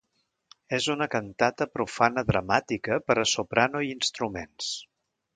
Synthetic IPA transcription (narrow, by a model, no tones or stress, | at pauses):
ezunəkənt̪at̪əpɾufanəðɾəmat̪ikəpəɾəsupɾanuiinst̪ɾumens